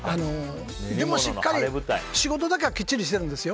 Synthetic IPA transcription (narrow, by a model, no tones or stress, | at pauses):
ano | d̪e̞mo̞ɕikkːaɾʲibɯjɕiɡo̞t̪o̞d̪ak̬e̞ɡakʲit͡ɕːiɾʲiɕ̬i̥t̪e̞ɾɯ̟̃nd̪e̞sɨjo